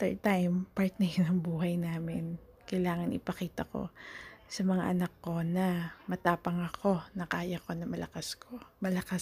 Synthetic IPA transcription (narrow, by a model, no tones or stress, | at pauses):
t̪ɛ̰ɹt̪ajmpaɹt̪nɐjnɐŋbuːɦɐjnaːmɪn | kɐjlaːŋɐnʔɪ̰pɐkiːt̪ɐko̞̰sɐmɐŋa̰ʔɐnɐkːo̞nɐmɐt̪aːpɐŋɐkʰo̞nɐkaːjɐko̞nɐmɐlɐkaskʰo̞mɐlɐka